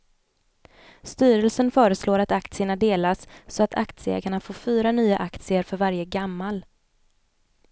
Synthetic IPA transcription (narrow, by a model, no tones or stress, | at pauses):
st̪yːɾəlsənfœːɾəsloːɾat̪akt̪sɪəɳad̪eːlassɔat̪ʰa̰kt̪sɪɛ̰ːɡaɳafoːfyːɾanyːa̰ʔakt̪sɪəɾfœɾvaɾjəɡamːal